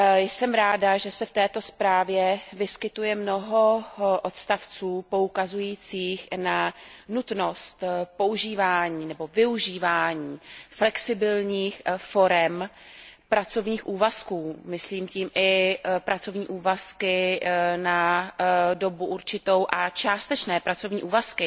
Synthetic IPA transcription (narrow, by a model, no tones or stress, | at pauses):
jsɛmɾaːdaʒɛsɛft̪ɛːt̪o̞spɾaːvjɛvɪskɪt̪ujɛmno̞ɦo̞ʔot̪st̪aft͡suːpo̞ukazujiːt͡siːxnanut̪no̞st̪po̞uʒiːvaːɲiːnɛbo̞vɪuʒiːvaːɲiːflɛksɪbɪlɲiːxfo̞ɾɛm | pɾat͡so̞vɲiːxʔuːvaskuːmɪsliːmciːmʔɪpɾat͡so̞vɲiːʔuːvaskɪna | do̞buʔuɾt͡ʃɪt̪o̞wʔat͡ʃaːst̪ɛt͡ʃnɛːpɾat͡so̞vɲiːʔuːvaskɪ